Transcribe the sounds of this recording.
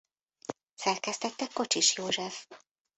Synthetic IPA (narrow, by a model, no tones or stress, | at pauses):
sɛrkɛst̪ɛt̪ːɛkːo̞t͡ʃiʃjoːʒɛf